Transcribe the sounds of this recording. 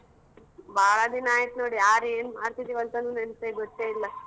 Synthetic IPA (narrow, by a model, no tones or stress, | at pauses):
bʱaːɭad̪inaːjit̪noːɽijaːɾeːnmaːɾt̪it̪iʋɐnt̪ɐnuːneɳt̪eɡot̪ːeilːɐ